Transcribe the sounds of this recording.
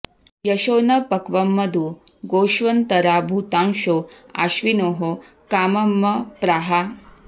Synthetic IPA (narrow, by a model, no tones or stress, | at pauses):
jɐʃoːnɐpɐkʋɐmːɐd̪uɡoːʃʋɐnt̪ɐɾaːbʱuːt̪aːŋʃoːa̰ːʃʋinoːɦo | kaːmɐmːɐpɾaːɦa